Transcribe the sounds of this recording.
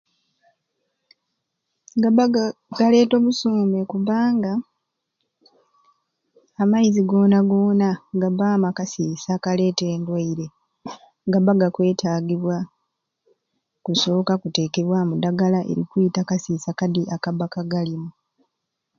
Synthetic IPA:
ɡaβaɡaɡ̥ale̞ːto̞βusoːmekuβaːŋɡa | maiziɡo̞ːnaɡo̞ːnaɡabaːmakasisakale̞ːte̞ːndwaiɾe̞ | ŋɡabaɡakwe̞ːtʰaːɡiβwa | kuso̞ːkakute̞ːke̞βwamudaɡalaʔe̞̰ɾḭkuitakasiːsakadiʔakaβakaɡalimu

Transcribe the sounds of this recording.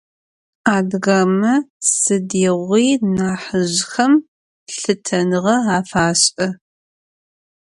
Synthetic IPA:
aːdɣamɐsɨdiːʁʷiːnaːħəʑxɐm | ɬɨtʰɐnɨʁɐaːfaːɕʼɐ

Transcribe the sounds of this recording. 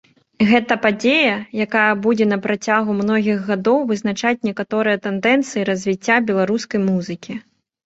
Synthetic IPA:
ɣɛt̪ɐpad͡zʲejɐjakajɐbud͡zʲɛnɐpɾat͡sʲaɣumnɔɣʲiɣɣad̪ɔwvɨznat͡ʂat͡sʲnʲɛkat̪ɔɾɨjɐt̪ɛnd̪ɛnt̪sɨjiɾɐzʲvʲit͡sʲːabʲɛlˠaɾuskɐjmuzɨkʲi

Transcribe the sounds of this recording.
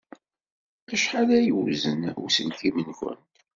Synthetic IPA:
æʃħalæjəwzənṵsənkimənçə̰n

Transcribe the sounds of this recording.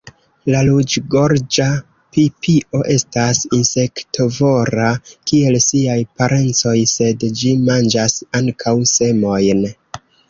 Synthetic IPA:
lalud͡ʒɡo̞ɾd͡ʒa | pipʰiʔo̞ʔe̞stasinse̞ktovo̞ɾakie̞lsiajpaɾʔe̞nt͡so̞jse̞dd͡ʒimand͡ʒasaŋkʰawse̞mo̞jn

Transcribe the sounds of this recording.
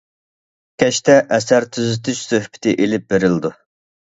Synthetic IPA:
kʲʰɛʃt̪ɛʔɛsæɾt̪ʰyzɪt̪ʰyt͡ʃsøhbɪ̥t̪ʰɪʔelɪp̚beɾɪld̪u

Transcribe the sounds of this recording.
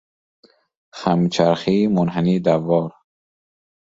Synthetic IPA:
χamt͡ʃʰaɾχiːmʊnɦaniːd̪avɒːɾ

